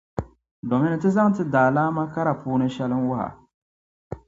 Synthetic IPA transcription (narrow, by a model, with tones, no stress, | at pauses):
do˨mɪ˦nɨ˨tɨ˦za˦ŋtɨ˦daː˨laː˦ma˦ka˦ɾa˨puː˦nɨ˦ʃɛ˦lɨ˦nwʊ˦ha̰˨